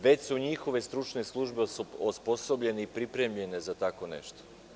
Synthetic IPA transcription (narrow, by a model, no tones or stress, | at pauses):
ʋe̞t͡ɕsuɲixo̞ʋe̞st̪ɾut͡ʃneslˠuʒbeospo̞so̞bʎe̞neipɾipɾe̞mʎe̞ne̞zat̪ako̞nḛʃt̪o̥